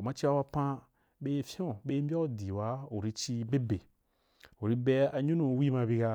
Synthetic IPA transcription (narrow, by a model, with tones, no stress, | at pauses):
u˨ma˧t͡ʃi˦wa˧wa˧pã˧ | be˧fʲõ˦˨be˧˦m˦bʲa˦u˦˨di˨wa˨˦u˨ɾi˧t͡ʃi˧be˦be˨ | u˨ɾi˧be˧a˧ɲũ˦nũ˧wi˦mã˧bi˧ɡa˧